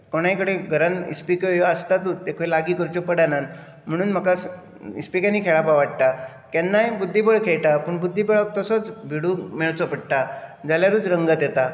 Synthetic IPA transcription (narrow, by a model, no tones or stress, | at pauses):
koɽ̃ajkəɽeɡʱəɾanḭspikojoəst̪at̪ut̪ekʰoelaɡiːkəɾt͡ɕopəɽanan | m̤əɽ̃uːnm̤əkas | ḭspikanːiːkʰeɭapaʋaʈ̚t̪a | kɛnːajbud̪ʱːip̬əɽkʰeɭʈ̪apəɳbud̪ʱːipeɭak̚t̪əsot͡sbʱiɽumeɭt͡sopəɽt̪ad͡zaljaɾuːt͡sɾəŋɡət̪jet̪a